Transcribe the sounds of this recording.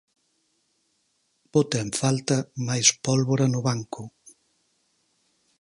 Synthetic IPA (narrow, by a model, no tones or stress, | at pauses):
bot̪aeɱfalt̪ɐmajspɔlβoɾɐnʊβaŋkʊ